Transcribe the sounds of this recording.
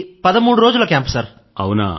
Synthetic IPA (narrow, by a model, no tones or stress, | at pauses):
pɐðɐmuːɽɯɾoːd͡ʒulɐkaːmpsaːɾ | ɐ̰wuna̰ː